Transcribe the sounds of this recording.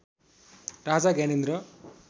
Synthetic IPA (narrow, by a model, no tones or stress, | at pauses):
ɾad͡zaɡanend̪ɾʌ